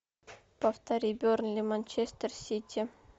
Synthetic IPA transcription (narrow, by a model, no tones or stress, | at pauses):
paft̪aɾʲibʲornlʲimanʲt͡ʃest̪ərsʲit̪ʲʰi